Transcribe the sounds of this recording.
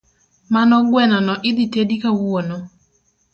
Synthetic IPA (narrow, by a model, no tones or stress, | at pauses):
manɔɡwɛnɔnɔʔɪd̪itedikawono